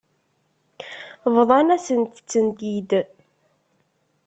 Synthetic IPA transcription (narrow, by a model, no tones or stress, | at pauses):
vðˤɑnæsənt̪ət͡sːənt̪id̪